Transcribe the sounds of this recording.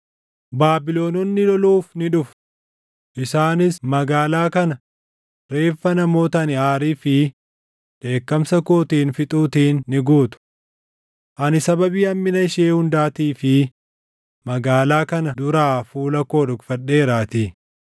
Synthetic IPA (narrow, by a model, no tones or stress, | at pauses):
baːbɪlo̞ːnɔnːɪlɔluːfnɪᶑʊf | ʔɪsaːnɪsmɐɡaːlaːkɐnɐ | ɾe̞ːfːɐnɐmo̞ːt̪ɐnɪaːɾiːfɪ | ᶑ̪e̞ːkːɐmsɐkoːt̪iːnfɪt̪ʼuːt̪iːnːɪɡuːt̪ʊ̥ | ʔɐnɪsɐbɐbiːɐmːɪnɐɪʃeːhʊnd̪aːt̪iːfɪ | mɐɡaːlaːkɐnɐd̪ʊɾaːfuːlɐko̞ːᶑʊɡfɐᶑeːɾaːt̪iː